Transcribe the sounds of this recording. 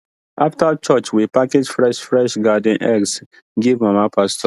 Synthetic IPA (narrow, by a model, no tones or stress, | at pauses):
aftat͡ʃɔt͡ʃwipaked͡ʒfɹɛʃfɹɛʃɡad̃nʔɛ̰ks | ɡivmamapʰastɔ